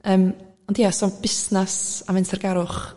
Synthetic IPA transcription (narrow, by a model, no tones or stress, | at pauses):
əːm | ɔndjasɔb̥ɪsnasamɛnsɛrɡaɾʊχ